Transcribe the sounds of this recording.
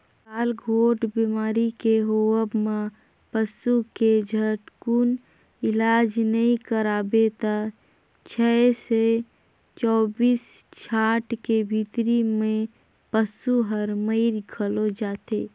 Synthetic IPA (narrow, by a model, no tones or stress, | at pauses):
kaːlɡʱoːʈbimaːɾikeɦoəbmã | pəsuked͡ʒʱəʈkun | ɪlaːd͡ʒnəɦĩkəɾaːbet̪a | t͡ʃʰɛse | t͡ʃɔːbiːst͡ʃʰaːʈkebʱit̪ɾimẽ | pəsuɦəɾməɪɾɡʰʱəlod͡ʒaːt̪eː